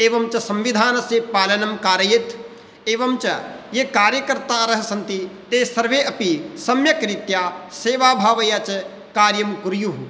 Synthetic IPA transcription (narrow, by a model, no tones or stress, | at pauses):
eːʋɐmt͡ʃɐsɐ̃mʋid̪ʱaːnɐsepaːlɐnɐmkaːɾɐjet̪ʰ | eːʋɐmt͡ʃɐjekaːɾjɐkɐɾt̪aːɾɐɦɐ̆sɐ̃nt̪it̪eːsɐɾʋeːʔɐpisɐmjɐkɾit̪jaːseːʋaːbʱaːʋɐjaːt͡ʃɐ | kaːɾjɐmkuɾjuɦu